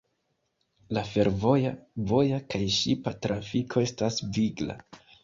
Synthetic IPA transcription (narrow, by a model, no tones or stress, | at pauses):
lafe̞ɾvo̞javo̞jakajʃipatɾafikʰo̞e̞stasviɡla̰